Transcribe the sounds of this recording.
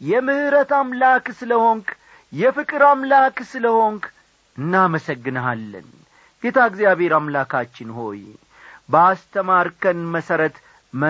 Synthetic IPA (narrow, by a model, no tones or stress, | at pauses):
jɛmɨhɨɾət̪amlaksɨləho̞ŋk | jɛfɨkʼɨɾamlaksɨləho̞ŋk | ɨnːaməsəɡːɨnəalːə̰n | ɡet̪ʰaɡzjaβhe̞ɾamlakʰat͡ʃːɪnho̞̰j | bəast̪ʰəmaɾkʰənməsəɾət̪ | mə